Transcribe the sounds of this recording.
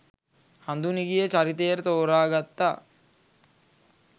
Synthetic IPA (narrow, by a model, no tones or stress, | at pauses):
hɐnd̪uniɡijet͡ʃɐɾit̪ejɐɾt̪oːɾaːɡɐt̪ːa